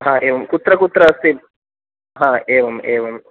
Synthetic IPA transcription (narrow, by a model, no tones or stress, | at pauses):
ɦãːʔeːʋɐmkut̪ɾɐkut̪ɾɐɐst̪i | ɦãːeːʋɐmeːʋum